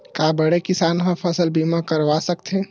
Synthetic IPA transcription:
kabəɽekisanɦãpʰəsəlbimakəɾʋasəkt̪ʰẽ

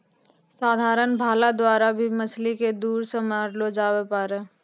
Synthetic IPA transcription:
saːd̪ʱaːɾənbʱaːlad̪waːɾabʱimɐsliked̪uːɾsəmaːɾlod͡ʒaːwepaɾe

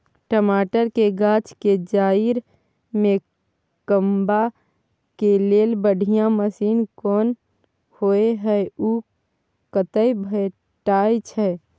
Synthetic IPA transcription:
ʈəmaːʈəɾkeɡaːt͡ʃked͡ʒaːiɾ | mẽ | kəmba | keleːlbəɖʱijãməsiːnkɔːn | hoeɦəeu | kət̪əjbʱə | ʈaːjt͡ʃʰɛ

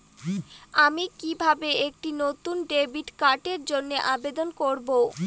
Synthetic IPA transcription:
amikibʱabeek̚ʈinot̪unɖebiʈkaɾʈeɾd͡ʑonːeʔabed̪onkoɾbo

